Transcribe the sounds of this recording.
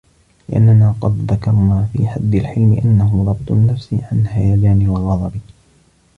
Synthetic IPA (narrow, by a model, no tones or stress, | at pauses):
lɪʔa̰nːanaːqɑd̪ðakɑɾˤnaːfḭːħad̪ːɪlħɪlmɪʔanːaɦʊɾˤɑb̚t̪ʊnːafsiʕanhajaːd͡ʒaːnɪwɑlɣɑðˤɑbi